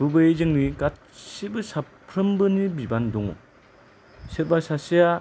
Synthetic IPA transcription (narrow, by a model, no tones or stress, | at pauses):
bubɯjezɯŋniɡat̚sibɯsa | pʰɾɯmbɯnibibandɔŋɔ̰ | seɾ̚basasija